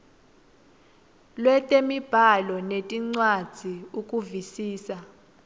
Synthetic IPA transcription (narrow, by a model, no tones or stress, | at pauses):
lwɛtʼemib̥ʱalɔnetʼiŋ͡ǀwad̥z̥ʱiukʼuvisiːsa